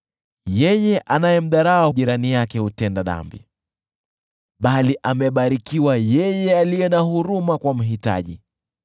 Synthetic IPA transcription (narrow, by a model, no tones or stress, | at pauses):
jɛjɛʔanajɛm̩ɗaɾaauʄiɾanijakɛhutɛndaða̰mbḭ | ɓaliʔamɛɓaɾikiwajɛjɛalijɛnahuɾumakwam̩ɦita̰ʄḭ